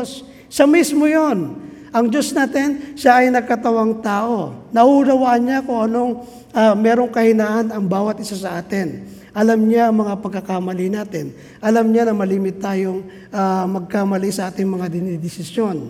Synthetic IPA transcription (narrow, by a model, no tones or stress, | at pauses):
sː | ɐmismojon | ʔɐŋd͡ʒo̞snaːt̪ɪnʃaʔɐjnɐɡ̚kɐt̪ɐwaŋt̪aːʔo̞nɐhuɾɐwaʔɐnɲakʊŋʔɐno̞ŋ | ʔamɛːɾo̞ŋkɐhɪnaːʔɐnɐŋbaːwɐt̪̚ʔɪsasɐʔaːt̪ɪn | ʔɐlamɲaʔɐŋmɐŋapɐɡ̚kːɐkamɐlɪnaːt̪ɪn | ʔɐlamɲanɐmɐliːmɪt̪ːaːjoŋ | ʔamɐɡ̚kamɐlisɐʔaːt̪ɪŋmɐŋad̪ɪnid̪ɪsɪsjo̞n